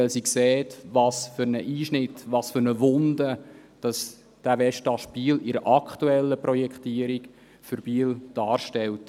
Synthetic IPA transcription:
ɛlsiksɛːtʋɑːsfʏɾnəʔiːʃnɪtːʋɑːsfʏɾnəʋʊnd̪ə | d̥ɑs | d̥æʋɛʃtɑʃb̥iːlɪɾəʔɑkχtuɛlːəpɾɔjɛkχtiːəɾik | fʏɾb̥iːld̥ɑːrʃtɛlt

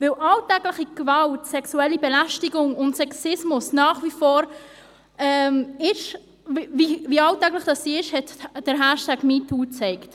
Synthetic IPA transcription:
vɪlʔɑltɛɡlɪχiɡ̥vɑltsɛksuɛlibɛlæʃtiɡʊŋʊntsɛksɪsmʊsnɑːχvifɔːɾ | ɛmɪʃ | viviːɑltɛɡlɪχd̥ɑssiːɪʃhɛtd̥əɾɦæʃtæɡmiːtʰuːt͡sɛɪkt

